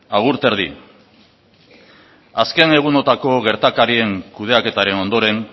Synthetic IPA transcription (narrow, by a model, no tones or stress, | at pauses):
aɣuɾt̪e̞ɾðḭ | aske̞ne̞ɣ̞uno̞t̪ako̞ɣ̞e̞ɾt̪akaɾie̞ŋkuð̞e̞ake̞t̪aɾe̞no̞nd̪o̞ɾe̞ŋ